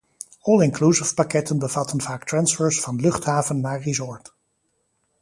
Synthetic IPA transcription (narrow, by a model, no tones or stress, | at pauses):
ɔlˠɪŋklusɪfpakɛtənbəvɑtənvaːktrɑnsfəːɹsfɑnlɵχtɦaːvənːaːɹrizɔɹt